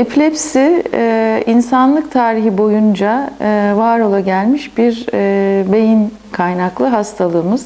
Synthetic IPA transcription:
eplʲɛpsi | insanlˠɯk̚t̪ʰaːɾiɦibo̞jund͡ʒavaːɾo̞lˠaɟælʲmiʃbiɾ | be̞jin | kʰajnaklˠɯɦast̪ʰalˠɯːmɯz̥

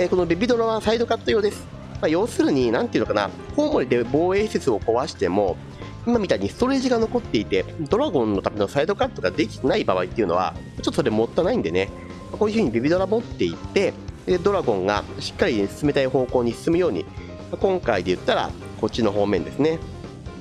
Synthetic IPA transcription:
eko̞no̞bebʲid̪o̞ɾaβasaid̪o̞kat̪ːojo̞ːd̪e̞sɨ̥ | majo̞ːsɨɾɯ̟ɲ̟inãnt̪eiɯ̟nokana̰ | ho̞ːmo̞ɾʲid̪e̞bo̞ːe̞ːset͡sɨo̞ko̞βaɕi̥t̪e̞mo̞ | imamʲit̪aiɲ̟isɨ̥t̪o̞ɾe̞ːʑiɡano̞ko̞t̪ːe̞it̪e̞d̪o̞ɾaɡõ̞nːo̞t̪amʲe̞no̞said̪o̞kat̪ːo̞ɡad̪e̞kʲi̥t̪enaibaβait̪ːeiɯ̟no̞̰βa̰mot͡ɕot̪ːsoɾe̞mo̞t̪ːanaĩnd̪e̞ne̞ | makoːjɯ̟ɸɯ̟ɲ̟ibʲibʲid̪o̞ɾabo̞t̪ːe̞it̪ːe̞d̪e̞d̪o̞ɾaɡõ̞ŋɡa̰ɕi̥kːaɾʲisɨ̥sɨme̞t̪aiho̞ːko̞ːɲ̟isɨ̥sɨmɯ̟jo̞ːɲ̟ḭ | makõ̞ŋkaid̪e̞jɯ̟t̪ːaɾa̰ | ko̞t͡ɕːino̞ɦo̞ːmẽ̞nd̪e̞sɨne̞

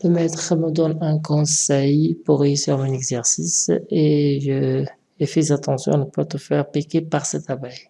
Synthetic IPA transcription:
ləmɛt̪χəməd̪ɔnɛ̃kɔ̃sɛjpuʁisɛʁmɔ̃nɛɡzɛʁsiseʒə | efɛzat̪ɑ̃sjɔ̰̃anəpat̪əfɛʁpikʲepaʁsɛt̪abɛj

